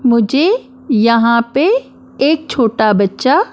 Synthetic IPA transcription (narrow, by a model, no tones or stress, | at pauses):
mʊ̃d͡ʑʱe | jɐɦãpe | eːk̚t͡ɕʰoːʈabɐtːʃa